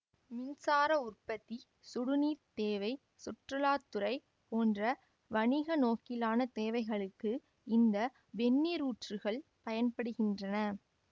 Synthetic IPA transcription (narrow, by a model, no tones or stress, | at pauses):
mɪnsaːɾɐʊrpɐt̪ːi | sʊɽʊniːɾt̪eːʋɐɪ | sʊʈrɯlaːt̪ːɯɾɐɪ | poːndrɐ | ʋɐɳɪɣɐnoːkɪlaːnɐt̪eːʋɐɪɣɐɭɯkːɯ | ɪnd̪ɐ | ʋɛnːiɾuːʈrɯɣɐɭpɐjɐnpɐɽɯɣɪndrɐnɐ